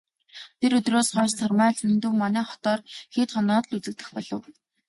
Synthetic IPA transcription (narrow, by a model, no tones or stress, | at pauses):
t̪ʰeɾɵt̪roːsɢɔːst͡sʰɔrmæːɮʰɵnt̪ŭwmanæːχɔ̥t̪ɔːrxeːt̪χɔnɔːt̪ɮut͡sɘ̆k̚t̪ɘ̆xpɔɮɞ̆w